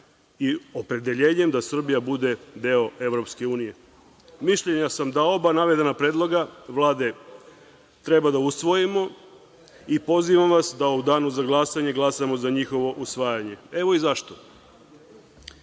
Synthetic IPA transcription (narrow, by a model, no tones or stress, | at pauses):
iopɾe̞d̪e̞ʎeːɲe̞md̪asr̩bijabud̪e̞d̪eo̞e̞ʋɾo̞pske̞uːnije̞ | miʃʎe̞ɲasamd̪ao̞banaʋe̞d̪enapɾe̞ːd̪lˠo̞ɡaʋlˠaːd̪e̞ | t̪ɾebad̪ausʋo̞jimo̞ | ipo̞ziʋamʋasd̪aud̪aːnuzaɡlˠasaɲe̞ɡlˠasamo̞zaɲixo̞ʋo̞ʔusʋaːjaɲe̞e̞ʋo̞izaʃt̪o